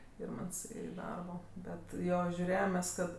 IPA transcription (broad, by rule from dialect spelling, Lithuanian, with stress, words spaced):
ˈɪrmɐnts ɪ ˈdɐrboː ˈbʲɛt ˈjoː ʒʲʊˈrʲeːjɛm mʲɛs ˈkɐt